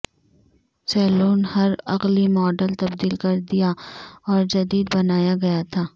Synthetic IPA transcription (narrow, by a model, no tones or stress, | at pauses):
sɛːloːnhɐɾɐqlimɔːɖəlt̪ɐbd̪iːlkɐɾd̪ijaɔːɾd͡ʒɐd̪iːd̪bɐnaːjaɡɐjat̪ʰaː